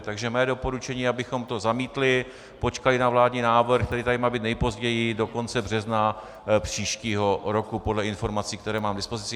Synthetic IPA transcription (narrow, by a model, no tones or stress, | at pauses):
t̪aɡʒɛmɛːdo̞po̞ɾut͡ʃɛɲiːabɪxo̞mt̪o̞zamiːt̪lɪ | po̞t͡ʃkalɪnavlaːdɲiːnaːvr̩xkt̪ɛɾiːt̪adɪmaːbiːt̪nɛjpo̞zɟɛjɪdo̞ko̞nt͡sɛbr̝ɛzna | pr̝̥iːʃciːɦo̞ɾo̞kupo̞dlɛɪnfo̞ɾmat͡siːkt̪ɛɾɛːmaːmɡdɪspo̞zɪt͡sɪ